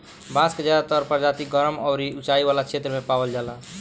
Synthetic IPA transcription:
bãsked͡ʒad̪at̪əɾpəɾd͡ʒat̪iɡʌɾəmɔwɾiut͡ʃaiwalakt͡ʃʰet̪ɾəmepawəld͡ʒala

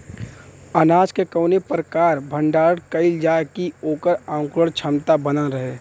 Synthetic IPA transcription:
ənaːd͡ʒkekəːnepɾəkaːɾbʱə̃ɳɖaːɾəɽkəɪld͡ʒaːkioːkəɾãːŋkɾəɽt͡ʃʰəmt̪abənaɾəɦeː

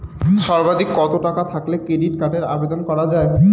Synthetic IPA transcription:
ʃɔɾbad̪ikːɔt̪oʈakat̪ʰaklekɾeɖiʈkaʈeɾa̰bed̪onkɔɾad͡ʑae

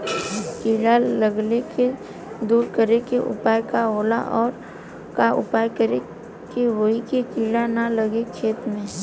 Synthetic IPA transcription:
kiːɽaləɡleke | d̪uːɾkəɾekeʔʊ̰paːjkaɦoːlaʔɔːɾ | kaʔʊ̰paːjkəɾe | keʋoɦikekiːɽanaləɡekʰeːt̪ɾmẽː

